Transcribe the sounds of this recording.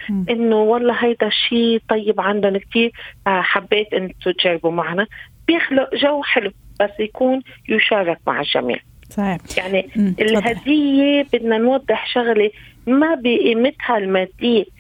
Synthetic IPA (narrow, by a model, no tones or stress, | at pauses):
ʔɪnːowɑlˤːɑːɦajd̪aʃːiːt̪ˤɑjːɪbʕand̪ʊnk̚t̪iːɾħabːeːt̪ʔɪnːt̪ʊt̪ʒarˤbumaʕnab̥jɪxlʊʔʒawːħɪlub̥asːjakuːnjʊʃɑːɾˤɑk̚ma̰ʕɪlʒa̰mḭːʕ | sɑiːjaʕniɪlɦad̪ɪjːebɪd̪nanwɑd̪ˤːɪħʃʊɣlemabiʔɪmɪt̪halmaːd̪ːiː